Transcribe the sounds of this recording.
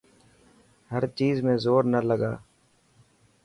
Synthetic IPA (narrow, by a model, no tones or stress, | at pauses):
həɾt͡ʃiːzmẽːzoːɾnələɡaː